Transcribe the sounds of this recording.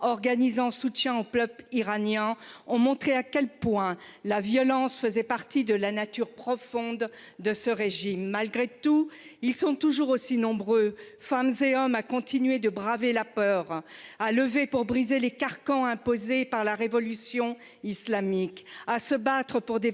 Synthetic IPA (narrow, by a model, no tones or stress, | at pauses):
ɔʁɡanizɑ̃sut̪jɛ̃oplœpiʁanjɛ̃ɔ̃mɔ̃t̪χeakʲɛlpwɛ̃lavjɔlɑ̃sfəzɛpaʁt̪id̪əlanat̪yʁpχɔfɔ̃d̪ːəsəʁeʒimːalɡʁet̪uilsɔ̃t̪uʒuʁosinɔ̃bʁø | famzeɔmakɔ̃t̪inɥed̪əbʁavelapœːʁaləvepuʁbʁizelekaʁkɑ̃ɛ̃pozepaʁlaʁevɔlysjɔ̃ | islamikasəbat̪χəpuʁd̪e